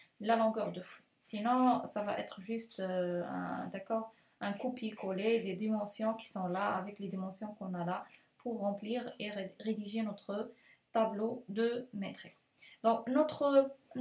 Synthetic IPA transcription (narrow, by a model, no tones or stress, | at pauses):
lalɔ̃ɡœʁd̪əfu̥ | sinɔ̃savaʔɛ̰t̪χəʒyst̪ɛ̰̃d̪akɔːʁ | ɛ̃kupikɔled̪ed̪imɑ̃sjɔ̃ki̥sɔ̃laavɛkled̪imɑ̃sjɔ̃kɔ̃nala | pʰuʁːɑ̃pliːʁeʁed̪iʒenɔt̪χə | t̪ablod̪əmet̪χi | d̪ɔ̃knot̪χə